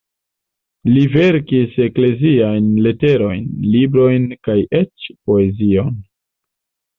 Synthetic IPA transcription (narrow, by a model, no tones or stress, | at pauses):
live̞ɾkise̞kle̞ziajnle̞te̞ɾo̞jnlibɾo̞jnkajʔet͡ʃpo̞e̞zio̞n